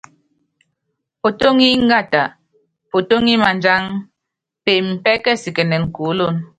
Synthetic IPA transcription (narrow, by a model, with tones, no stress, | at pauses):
po˨to˦ŋi˦ŋ˦ɡa˦˨ta˨ | po˨to˦ŋi˦ma˨nd͡ʒa˦ŋ | pe˨m̩˨pɛ˦kɛ˦si˨kɛ˨nɛ˨n˨ku˨˦lo˦˨n